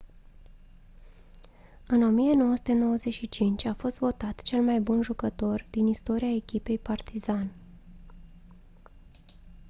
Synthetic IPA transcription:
ɨno̞mijeno̞wəsu̥t̪eno̞wəze̞tʃit͡ʃint͡ʃʲafo̞st̪vo̞t̪at̪t͡ʃe̞lmajbunʒukət̪o̞rd̪inist̪o̞ɾiae̞kʲipe̞jpart̪izan

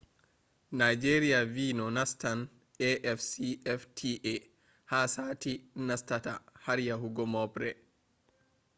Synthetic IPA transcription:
najd͡ʒeɾijaviːnɔnastan | ɛʔɛfsiɛftʰiʔe | haːsaːtinastatahaɾjaɦuɡɔmɔpɾɛ

